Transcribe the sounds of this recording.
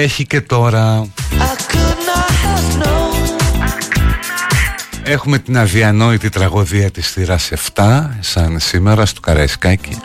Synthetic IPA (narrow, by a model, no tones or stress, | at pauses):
e̞çice̞t̪o̞ɾɐɐkunɐɐno | e̞xume̞t̪inɐðiɐno̞it̪it̪ɾɐɣo̞ðiɐt̪isθiɾɐse̞ft̪ɐsɐnsime̞ɾɐst̪o̥kɐɾɐiskɐci